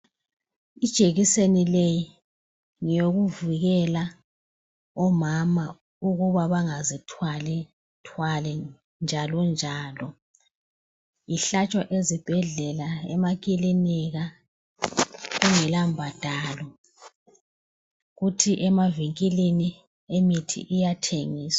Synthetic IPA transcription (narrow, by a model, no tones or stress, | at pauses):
id̥ʒ̥ʼʱeɣisenileji | ŋijoɣuvuɣɛla | ɔmama | uɣuβaβaŋazitʰwalɛ | tʰwalɛ | nd͡ʒʱalɔnd͡ʒʱaːlɔ | iɬat͡ʃʼwaʔezib̥ʱɛɮɛlaɛmakʼiliniɣa | uŋɛlambʱad̥ʱaːlɔ | ɣutʰiʔɛmaviŋkʼilini | emitʰḭʔijatʰeŋiːsa